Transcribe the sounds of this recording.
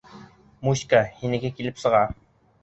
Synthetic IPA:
muɕkahinɘ̆ɡɘkilɘpsɤ̆ʁɑ

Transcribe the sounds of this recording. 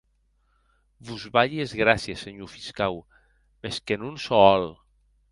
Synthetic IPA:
βuzβaʎiezɣɾasjeseɲufiskaw | meskenunsɔɔl

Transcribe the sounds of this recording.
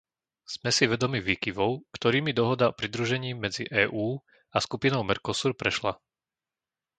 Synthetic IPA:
z̥mɛsiʋɛd̪ɔmiʋiːkiʋɔʊkt̪ɔɾiːmid̪ɔɦɔd̪aɔpɾid̪ɾuʒɛɲiːmɛd͡ziʔɛːʔuː | askupinɔʊmɛɾkɔsuɾpɾɛʃla

